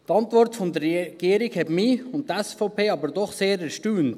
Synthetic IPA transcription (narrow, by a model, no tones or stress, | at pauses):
tɑntvɔrtfɔnd̪əɾːɛɡ̥iːəɾiɡhɛtmiʊnt̚tɛsfoʊpʰeːɑbəɾdɔχseːɾɛɾʃtyːnt